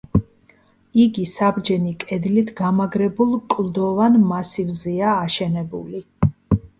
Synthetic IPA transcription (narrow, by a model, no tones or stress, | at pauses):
iɡisabd͡ʒɛnikʼɛd̪lit̪ʰɡamaɡɾɛbulˠkʼlˠd̪ɔvanmasivzɛaːʃɛnɛbṵli